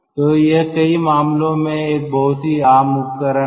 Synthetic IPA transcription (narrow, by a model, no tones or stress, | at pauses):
t̪oːjɐɦkɐimaːmlõmẽeːk̚bɐɦʊt̪ɦiaːmʊp̚kəɾə